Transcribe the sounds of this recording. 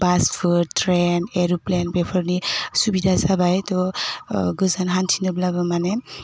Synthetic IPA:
paspʰɯɾtɾeneɾuplenbepʰɔɾnisubidʱazabajtɔ | ɡɯzanɦantʰinɔblabɯmane

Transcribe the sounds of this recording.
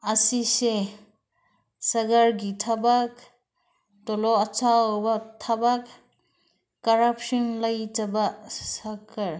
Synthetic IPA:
asise | sɐɡaɾɡitʰabak | tɔlɔɐt͡ʃawbatʰabak | kaɾapʰsɔnlajtabasakʰaɾ

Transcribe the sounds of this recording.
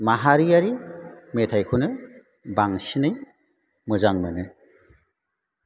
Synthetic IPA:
maɦaɾijaɾimetʰajkʰunɯ | baŋsinɯj | mɯzaŋmɯnɯ

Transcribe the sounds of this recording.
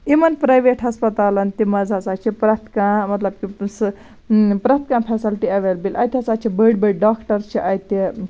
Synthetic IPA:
imɐnpɾɐːjʋeːʈɦɐspɐt̪aːlɐnt̪imɐzʱasaːt͡ʃʰipɾɐt̪kãmɐt̪lɐb̚kis | pɾɐt̪̚kãːnpʰɛːsɐlʈiɐʋeːlbilʲʔɐjt̪ʰʲɐt͡saːt͡ʃʰibəɽbəɖɖaːkʈɐɾt͡ʃʰiʔɐjt̪i

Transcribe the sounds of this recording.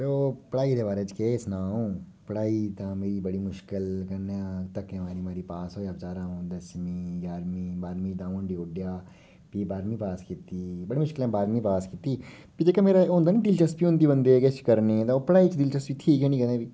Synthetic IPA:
ɾeopɐɽaːid̪eːbaːɾet͡ʃkeːsnãːõː | pəɽaːit̪ãːmeːɾibəɽimʊʃkɪlkɐɾnãt̪ɐkːẽmaːɾimaːɾipaːsoːjapt͡ʃaːɾãːõːd̪ɐsmiːjaːɾmibaːɾmĩd̪ãːnɖioːɖjaː | piːbaːɾmĩːpaːskit̪iːbɐɽimʊʃkɪlɛ̃ːbaːɾmĩpaːskit̪iːpid͡ʒeːkameːɾaõːnd̪aːnĩd̪ɪlt͡ʃəspiõːnd̪iːbə̃nd̪eket͡ʃkəɾnẽːt̪apəɽaːit͡ʃd̪ɪlt͡ʃəsbit̪ʰiːkɦɛ̃ːnĩːkɐeːbiː

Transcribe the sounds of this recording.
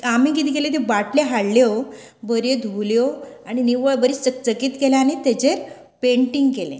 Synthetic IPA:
amiːk̬it̪ʰikelet̪ebaʈleɦaɽljo | bəɾed̪ʱuljoaɽ̃iniʋəɭbəɾit͡sək̚t͡səkiːt̪keleaañit̪et͡ɕeɾ | peɳʈiŋɡkelḛ̃

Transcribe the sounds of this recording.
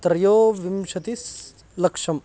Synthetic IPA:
t̪ɾɐjoːʋimʃɐt̪is | lɐkʂɐm

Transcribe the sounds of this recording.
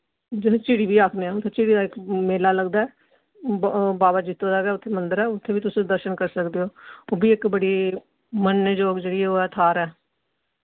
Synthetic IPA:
d͡ʒɪt͡ʃiːɽiːbiːaːkʰneːãʊt̪ʰːeːt͡ʃiːɽiːd̪aːɪkmeːlaːləɡd̪aːɛː | baːbaːd͡ʒɪt̪ːoːd̪ɛːɡɛːʊt̪ʰːeːmənd̪əɾɛːʊt̪ʰːeːʋiːt̪ʊsĩd̪əɾʃənkəɾsəkd̪eːoːoːbiːɪkbəɽiː | mənːəd͡ʒoːɡd͡ʒeːɽiːɛːoːɛːt̪ʰaːɾɛː

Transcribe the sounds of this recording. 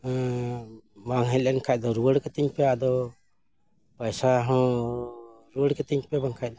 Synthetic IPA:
baŋɦɛlɛnkʰajt̪̚d̪ɔɾuwəɽkɛt̪iɲpɛad̪ɔ | pajsaɦɔ̃ | ɾuəɽkɛt̪iɲpɛbaŋkʰajt̚d̪ɔ

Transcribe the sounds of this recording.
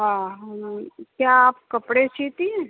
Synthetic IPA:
ɦãɦaãkjaːp̚kəpɽet͡ʃʰit̪ĩẽ

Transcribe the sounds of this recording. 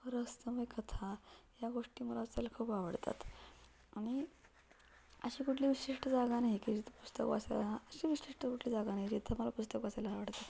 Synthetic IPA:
əɾəst̪əməjkət̪ʰajaɡoʂʈiːməlaːselakʰuːpaʋəɽt̪a̰t̪ | aɽ̃i | əɕiːkuʈʰliːʋiɕiʂʈəd͡zaɡanaɦikid͡ʑit̪pust̪əkʋa̰sḛlaəɕiʋiɕiʂʈəkuʈʰliːd͡zaɡanaɦid͡ʑit̪ʰəməlapust̪əkʋaselaaʋəɽt̪at̪

